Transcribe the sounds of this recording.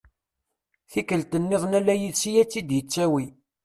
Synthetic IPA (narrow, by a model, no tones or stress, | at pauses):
θikːəlt̪ənːɪðˤnælːæjiðsijæt͡sːid̪jət͡sːæwi